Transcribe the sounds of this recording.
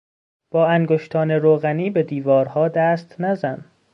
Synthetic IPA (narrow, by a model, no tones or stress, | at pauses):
b̥ɒːæŋɡoʃt̪ʰɒːneɾoːɣæniːbe̞d̪iːvɒːɾhɒːd̪æst̪næzæn